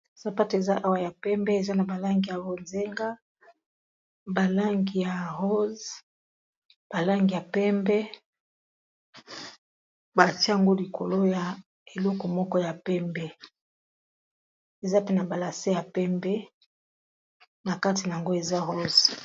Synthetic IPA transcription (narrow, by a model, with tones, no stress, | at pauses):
sa˨pa˦te˨za˦ʔa˦wa˨ja˨pɛ˦mbɛ˦e˨za˦na˨ba˨la˦ŋɡi˨ja˨bo˨nze˦ŋɡa˦ | ba˨la˦ŋɡi˨ja˨ho˦z | b̥a˨la˦ŋɡi˨ja˨pɛ˦mbɛ˦ | ba˨ti˦˨a˨ŋɡo˦li˨kʰo˨lo˦ja˨ | e˨lɔ˦kɔ˨mɔ˦kɔ˦ja˨pɛ˦mbɛ˦ | e˨za˦pe˦na˨ba˨la˨se˦ja˨pɛ˦mbɛ˦ | na˨ka˦ti˨na˨ja˨ŋɡo˦e˨za˦ɦo˦z